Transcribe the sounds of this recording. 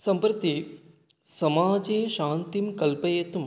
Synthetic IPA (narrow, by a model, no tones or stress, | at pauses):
sɐmpɾɐt̪i | sɐmaːd͡ʒeːʃaːnt̪imkɐlpɐjet̪um